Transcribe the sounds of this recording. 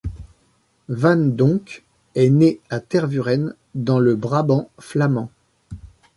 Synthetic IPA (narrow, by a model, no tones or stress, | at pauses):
vand̪ɔ̃k | ɛneat̪ɛʁvyʁɛn | d̪ɑ̃ləbʁabɑ̃flamɑ̃